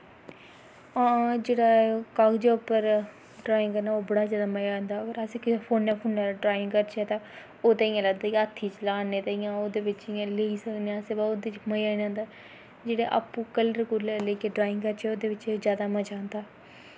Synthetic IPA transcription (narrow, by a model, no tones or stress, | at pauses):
aːd͡ʒeːɽaːkaɡd͡ʒeʊpəɾ | ɖɾaːɪ̃ŋɡkəɾnaoːbəɽaːzjaːd̪aːməjand̪aːəɡəɾəsẽːkɪpʰoːnjaːpʰoːnaɖɾaːɪ̃ŋɡkəɾt͡ʃʰɛːt̪ãː | oːt̪ãɪjãːləɡd̪aːjət̪ʰːiːt͡ʃlaːneːt̪aːijãːoːd̪eːʋɪt͡ʃɪjãːleːiːsəkneaseːbaoːd̪et͡ʃməjaːnãːnd̪aː | d͡ʒeːɽaːʔa̰ːpũːkəlɾkuɾlɛleːkeɖɾaːɪŋɡkəɾt͡ʃʰɛːoːd̪eːʋɪt͡ʃzjaːd̪aːməd͡ʒaːnd̪aː